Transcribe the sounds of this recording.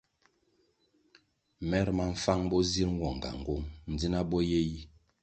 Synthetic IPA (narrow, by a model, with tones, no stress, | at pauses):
mɛ˦ɾma˦ɱ̩˦fa˦ŋbɔ˦zi˦ɾŋ̩˦ɡwɔ˨ŋ˨ɡa̰˨ŋ˨ɡo˦ŋn̩˨d͡zi˦na˦bɔ˦je˦ji˦